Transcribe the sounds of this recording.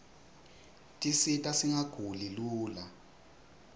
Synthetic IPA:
tʼisitʼasiŋaɡ̥ʱuliluːla

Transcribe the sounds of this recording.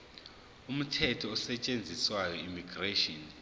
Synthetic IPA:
um̩tʰɛtʰɔːsɛt͡ʃʼend͡zʱiswajɔimiɡreʃɔn

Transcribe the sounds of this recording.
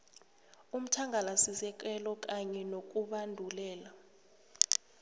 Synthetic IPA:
um̩tʰaŋɡʱalasisɛk̬ʼɛlɔk̬ʼaɲɛnok̬ʼuɓandʱulɛːla

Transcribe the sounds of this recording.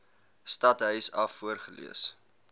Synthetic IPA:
stɐtɦœɥsɐfːuərχəlḭəs

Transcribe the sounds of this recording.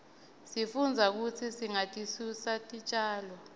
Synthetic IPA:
sifund͡zʱak̬ut͡sʰisiŋatʼisusatʼit͡ʃʼaːlɔ

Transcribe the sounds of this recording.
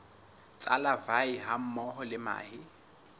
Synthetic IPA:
t͡sʼalavaiɦam̩mɔɦɔlɪma̰ːɦɪ

